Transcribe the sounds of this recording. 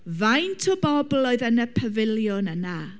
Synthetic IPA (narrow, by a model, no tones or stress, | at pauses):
vajntʰɔbɔblˠɔɨðənəpʰəvɪlˠjʊnəna